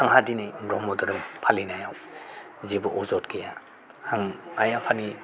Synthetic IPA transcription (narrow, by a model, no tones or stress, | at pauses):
tʰaŋɦadinajɾɔmɔdɔɾɯmpʰalinajaw | zibɔʔɔzɔtkʰija | haŋajapʰani